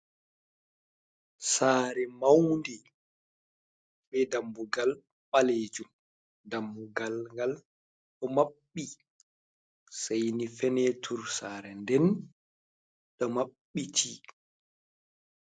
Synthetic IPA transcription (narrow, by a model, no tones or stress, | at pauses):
saːɾɛmawndi | bɛdambuɡal | ɓaled͡ʒum | damːuɡalŋɡal | ɗɔmaɓːi | sajnifɛnɛtʰuɾsaːɾɛndɛn | ɗɔmaɓːitʰi